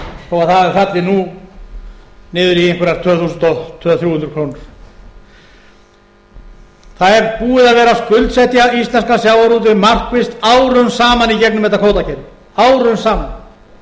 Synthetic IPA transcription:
ɔɣaðθaðɛɾfat̪lɪnu | nɪːðʏɾiɪŋkʏɾaɾt̪ʰœːðθuːsʏnt̪ɔt̪ʰːœːðaθjuːhʏnt̪ɾkʰoːwnʏɾ̥ | θaðɛɾpuːɪðaðvɛːɾaskʏlt̪sɛht̪jaist̪lɛnskasjaːwaɾuːt̪̬ɪmar̥kvɪst̪aːwɾʏnsaːmanicɛknʏmɛt̪akʰoːwt̪acɛɾɪ | aːwɾʏnsaːman

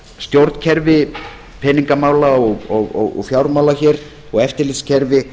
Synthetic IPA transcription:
st̪jowɾt̪n̥cʰɛɾvɪ | pʰɛniŋkamaːwlaɔɣɔɣɔɣɔ̰ɣfjawɾmaːwlaçɛːɾ | ɔɣɛft̪ɪɾlɪt̪scʰɛɾvɪ

